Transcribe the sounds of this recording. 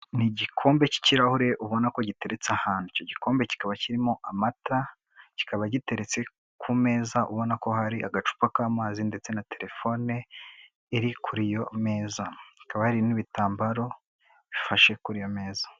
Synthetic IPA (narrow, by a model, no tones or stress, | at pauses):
niɟikʰo̞ːmbe̞ci̥ciɾahuɾe̞ʔuβo̞nako̞ɟite̞ɾe̞t͡seahaːn̥huico̞ɟiko̞ːmbe̞ci̥kaβaciɾimo̞ʔamata | ci̥kaβaɟite̞ɾe̞t͡se̞ | kʰume̞ːzaʔuβo̞nako̞ɦaɾiʔaɡat͡ʃu̥pakaːmaːzinde̞t͡se̞nate̞ɾe̞fo̞ne | iɾikʰuɾijo̞me̞ːzaɟi̥kaβahaɾiniβitaːmbaɾo̞ | βifaʃe̞kuɾijo̞me̞ːzḁ